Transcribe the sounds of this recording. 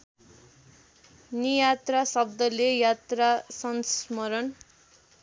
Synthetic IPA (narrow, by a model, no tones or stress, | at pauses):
nijat̪rasʌb̚d̪ʌlejat̪rasʌnsmʌɾʌn